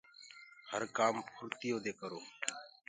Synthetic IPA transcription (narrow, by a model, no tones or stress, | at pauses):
həɾkaːmpʰʊɾt̪ɪjoːd̪eːkəɾoː